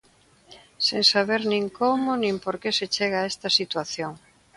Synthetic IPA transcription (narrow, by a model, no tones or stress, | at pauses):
sẽŋsaβeɾnĩŋkomʊnĩmpoɾkeset͡ʃeɣaɛst̪ɐsit̪waθjoŋ